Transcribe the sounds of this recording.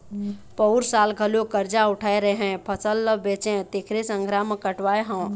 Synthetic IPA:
pəʊɾsaːlɡʱəlokəɾd͡ʒaʊʈʰaːeɾəɦɛ̃pʰəsəlːəbeːt͡ʃẽt̪ekʰɾesə̃ŋɡʱɾaːmkəʈʋaːeɦə̃

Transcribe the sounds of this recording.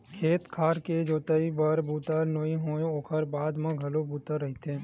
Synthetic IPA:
kʰeːt̪kʰaːɾked͡ʒoːt̪əibəɾbuːt̪əɾnoːĩɦõːooːkʰəɾbaːd̪mãɡʱɐlobuːt̪əɾɐɦit̪ʰẽ

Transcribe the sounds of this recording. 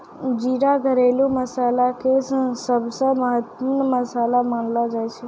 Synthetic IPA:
d͡ʒiɾaɡʱəɾelũməsalakessəbsəməɦət̪mənməsalaməɳlad͡ʒajt͡ʃʰe

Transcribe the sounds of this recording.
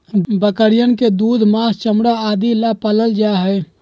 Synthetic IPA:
bəkəɾijənked̪ud̪ʱmast͡ʃəmɽaad̪ilapələld͡ʒaɦəɪ

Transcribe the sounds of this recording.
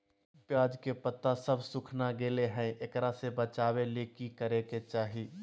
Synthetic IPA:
pjaːd͡ʒkepət̪ːasəbʱsʊkʰnaɡeːleɦɛ̃ekɾasebət͡ʃaːweleːkikəɾeket͡ʃaːɦiː

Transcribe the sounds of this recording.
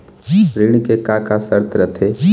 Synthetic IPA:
pɾɪɽ̃kekakasəɾt̪ɾət̪ʰe

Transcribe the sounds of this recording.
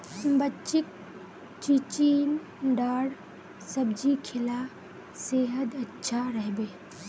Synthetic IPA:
bətːt͡ʃɪk̚ | t͡ʃit͡ʃiːn | ɖaːɽ | sɐbd͡ʒikʰɪla | seːɦəd̪ɐtːʃʰaɾəɦbeː

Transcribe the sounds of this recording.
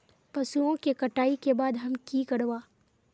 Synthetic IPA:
pɐsuõkekɐʈaːikebaːd̪ɦɐmkikɐɽʋaː

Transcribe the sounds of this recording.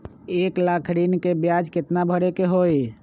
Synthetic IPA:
eːklakʰɾinkebjad͡ʒkɪt̪nabʱəɽekeɦoi

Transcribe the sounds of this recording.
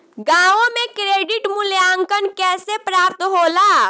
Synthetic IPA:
ɡãõmekɾeɖiʈmuljaŋkənkɛsepɾap̚t̪ɦola

